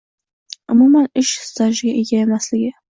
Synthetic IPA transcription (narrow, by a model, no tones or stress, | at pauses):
ʊmumanɪʃhɪ̥st̪ʰaʒɪɡʲaʔeɡʲae̞maslɪɡʲɪ